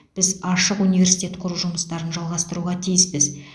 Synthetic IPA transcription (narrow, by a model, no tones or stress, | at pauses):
b̥ɪzɑʃəqunijvʲe̞ɾsi̥jt̪ʲe̞t̪qʰʊɾuʒʊməst̪ɑɾənʒɑlˠʁɑst̪əɾuʁɑt̪ʰijɪspɪz